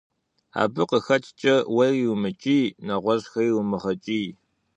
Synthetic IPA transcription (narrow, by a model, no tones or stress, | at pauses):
a̰ːbɨqəxɐt͡ʃʰʼt͡ʃʼɐwɐrjwmɨt͡ʃʼiːnɐʁʷɔʑxɐiwʊmɨʁɐt͡ʃʼiː